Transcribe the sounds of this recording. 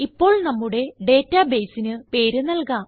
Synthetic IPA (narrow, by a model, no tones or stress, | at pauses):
ipːo̞ːɭnɐmːuɽe̞ɖe̞ːtːɐbe̞ːjsinɨpe̞ːɾunɐlkaːm